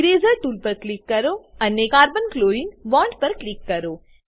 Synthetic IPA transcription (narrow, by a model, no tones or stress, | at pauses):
ɾeːzəɾʈuːlpɐɾklɪkːɐɾoːɐnːekaːɾbənkloːinʋɔ̃ːɳɖpɐɾklɪkːɐɾoː